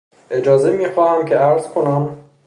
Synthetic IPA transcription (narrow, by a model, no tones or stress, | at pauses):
ʔe̞d͡ʒɒːzemiːxɒːhæmcʰeæɾz̥kʰonæm